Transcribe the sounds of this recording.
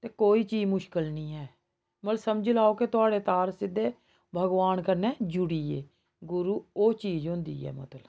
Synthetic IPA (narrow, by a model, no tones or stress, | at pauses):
t̪eːkoːiːt͡ʃiːd͡ʒmʊʃkəlnĩːɦɛː | məlsəmd͡ʒlaːoːket̪ʊaːɽeːt̪aːɾsɪd̪ːeː | bʱəɡʋaːnkəɾnɛːd͡ʒʊɽiːeː | ɡʊɾuːoːt͡ʃiːd͡ʒɦʊ̃ːnd̪ḭːɛ̰ːmʊ̰t̪əl